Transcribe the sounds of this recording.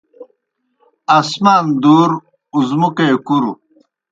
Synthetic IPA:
ɐsmaːnd̪uːɾ | uzmukeːkuɾu

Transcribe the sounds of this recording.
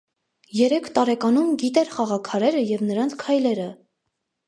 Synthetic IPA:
jɛɾɛkʰt̪ɑɾɛkɑnumɡit̪ɛɾχɑʁɑkʰɑɾɛɾəjɛvnəɾɑnt͡sʰkʰɑjlɛɾə

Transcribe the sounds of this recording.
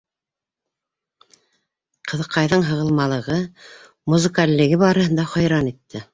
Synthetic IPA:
qʰɤ̆ðɤ̆qːɑjðɤɴɦɤ̆ʁɤ̆lˠmɑlˠɤ̆ʁɤ | muzɨ̆kalʲːɘ̆ɡɘβɑɾɤ̆hɤ̆nd̪ɑχɑjɾɑnit̪ːɘ

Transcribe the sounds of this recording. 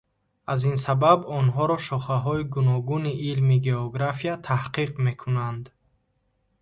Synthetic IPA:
azinsababɔnɦɔɾɔʃɔχaɦɔiɡunɔɡuniʔilmiɡe̞ɔɡɾafiat̪ʰahqiqme̞kʰunand̪

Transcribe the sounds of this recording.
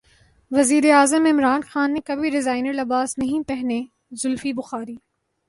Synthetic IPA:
ʋɐziːɾeaːzəmɪmɾaːnxaːnːekɐbʱiɾɪzaːɪnəɾlɐbaːsnɐɦĩpɛɦne | zʊlfibʊxaːɾiː

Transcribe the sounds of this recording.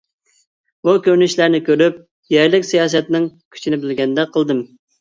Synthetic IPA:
bukʲøɾnyʃlæɾnɪkʲøɾyp̚ | jɛɾlɪkʲsijɑːs̬ɛt̪nɪŋkʲʰy̥t͡ʃʰinɪbɪlɡʲɛnd̪ɛqʰəlˠd̪ɨm

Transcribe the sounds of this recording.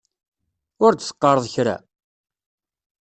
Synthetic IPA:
ʊɾd̪sə̥qːɑɾˤəðˤçɾa̰

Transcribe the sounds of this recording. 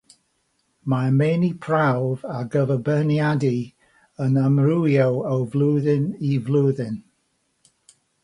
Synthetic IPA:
mameːnipʰɹ̥awvaɡəvəbənjadi | ənəmrujowəwvlˠuːðɪnivlˠuːðɪn

